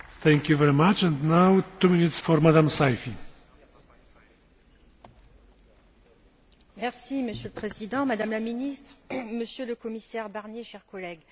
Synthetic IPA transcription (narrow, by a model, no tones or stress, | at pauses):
θɛ̃ŋkjuvɛɹimat͡ʃɛ̃ndnawt̪uminit̪sfɔɹmad̪ãmsajfi | mɛʁsiməsjøləpχezid̪ɑ̃mad̪amlaminist̪χməsjøləkɔmisɛʁbaʁnjeʃɛʁkɔlɛɡ